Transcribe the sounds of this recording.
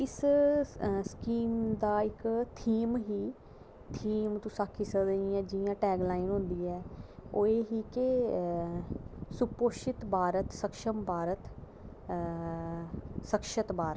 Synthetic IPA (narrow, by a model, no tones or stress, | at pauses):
ɪs | skiːmd̪aːɪkt̪ʰiːmɦiː | t̪ʰiːmt̪ũsaːkʰɪsəd̪əĩɛ̃ːd͡ʒɪjãːʈɛːɡlaːɪnɦʊ̃nd̪iːɛːoːeːɦiːke | sʊpoːʃɪt̪baːɾət̪səkʃəmbʱaːɾət̪ | səkʃət̪bʱaːɾə